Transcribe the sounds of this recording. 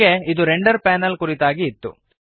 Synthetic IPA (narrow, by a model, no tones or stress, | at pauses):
eid̪uɾeɳɖɐɾpaːnɐlkuɾit̪aːɡiːt̪ːṵ